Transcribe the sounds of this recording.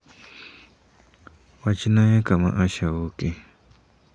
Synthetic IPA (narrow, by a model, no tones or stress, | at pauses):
wat͡ʃinãjãkamã̰ʔaʃawuki